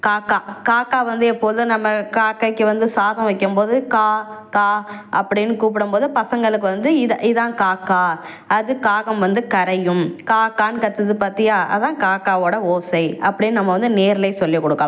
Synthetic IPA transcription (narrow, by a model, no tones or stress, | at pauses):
kaːkːaːkaːkːaːʋɐnd̪ɯɛpːoːðɯnɐmːɐkaːkːɐɪkːɯʋɐnd̪ɯsaːðɐ̃ʋɐkːɯmpoːðɯkaːkaːʔɐpːɐɽɪnːɯkuːp̬ɪɽɯmpoːðɯpɐsɐŋɡɐɭɯkːɯʋɐnd̪ɯɪɐʔɪðãːkaːkːaː | ɐðɯkaːɣɐmʋɐnd̪ɯkɐɾɐjɯmkaːkːaːnkɐt̪ːɯðɯpaːɾt̪ɪŋaːɐ̰ðãːkaːkːaːoːɽɐoːsɐɪɐpːɐɽɪnːɯnɐmːɐʋɐnd̪ɯneːɾlɐɪsɔlːikːɔɽɯkːaː